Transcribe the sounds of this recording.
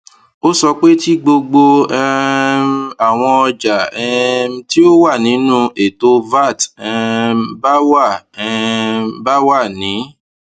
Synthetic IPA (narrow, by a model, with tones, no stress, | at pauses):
o˦sɔ˧k͡pe˦ti˦ɡ͡bo˧ɡ͡bo˧ | a˨w̃ɔ̃˧ɔ˧d͡ʒa˨ɛ˧˦ti˦o˦wa˦˨nĩ˨˦nũ˦e˨to˧va˦˨tɛ˧ba˦wa˦˨˧ | ba˦wa˦˨nĩ˨˦